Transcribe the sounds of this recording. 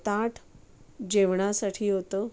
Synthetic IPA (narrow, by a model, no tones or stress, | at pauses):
t̪ãʈʰ | d͡ʑeʋɳasaʈʰiːɦot̪ə